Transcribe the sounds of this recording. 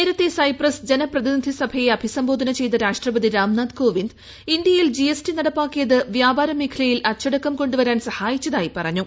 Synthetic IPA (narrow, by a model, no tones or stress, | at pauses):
neːɾɐt̪ːesɐjprɐsd͡ʑe̞nɐprɐðinid̪ʱisɐbʱɐje̞ɐbʱisɐmbo̞ːd̪ʱɐnɐt͡ɕe̞jt̪ɐɾaːʂʈrɐbɐðiɾaːmnaːd̪ko̞ːʋind̪ | ind̪jɐjild͡ʑiesʈinɐɽɐpːaːkːijɐðɨʋjaːbaːɾɐmiːkʰɐlɐjilʔɐt͡ɕːɐɽɐkːɐmko̞ɳɖuʋɐɾaːnsɐhaːjit͡ɕːɐðaːjipɐrɐɲːu